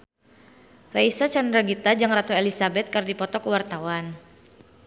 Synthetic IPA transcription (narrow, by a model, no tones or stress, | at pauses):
raisat͡ʃand̪ɾaɡit̪ad͡ʒaŋrat̪uelisabɛt̪̚kardipɔt̪ɔkəwart̪awan